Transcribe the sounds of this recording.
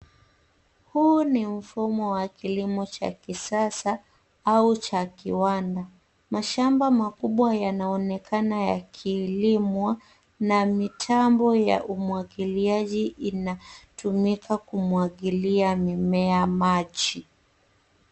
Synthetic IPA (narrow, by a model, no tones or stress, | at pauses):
hunim̩fumɔwakilimɔt͡ʃa̰kisasa | aut͡ʃakiwanda | maʃambamakuɓwajanaɔnɛkʰanaja̰kʰiːlimwa | namitʰambɔja̰ʔumwaɠiliaʄiʔinatumikakumwaɠiliamimɛamat͡ʃi